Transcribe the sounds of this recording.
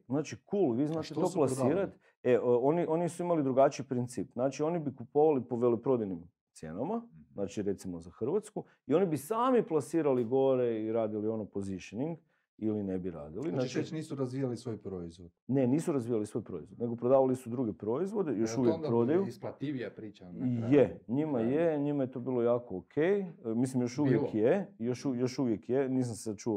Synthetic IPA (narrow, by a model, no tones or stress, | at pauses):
znaːt͡ʃikuːlʋiːznaːt̪et̪oːplˠasiːɾat̪ | eʔo̞niʔo̞nisuimalid̪ɾuɡat͡ʃiipɾint̪siːpznaːt͡ʃio̞nibikupo̞ʋalipoʋe̞lepɾo̞d̪ajnim | t̪sjḛnamaznaːt͡ʃiɾe̞t̪simo̞zaxr̩ʋat̪sku | io̞nibisaːmiplˠasiːɾaliɡo̞ɾe̞iɾaːd̪ilio̞nopoziʃoniŋɡ | iline̞biɾa̰ːd̪ilinnat͡ʃet͡ʃniːsuɾazʋijalisʋoːjpɾoizʋod̪̥ne̞niːsuɾazʋiːjalisʋo̞jpɾo̞izʋo̞d̪ne̞ɡopɾod̪aːʋalisud̪ɾuɡe̞pɾo̞izʋo̞d̪ejo̞ʃuʋjekppɾo̞d̪ajut̪pɾijeɲimajeɲimajet̪o̞ːbiːlˠo̞jaːkookʰejmislimjo̞ʃuʋjekjejoʃujo̞ʃuʋjekjeniːs̬amsesad̪̚t͡ʃuo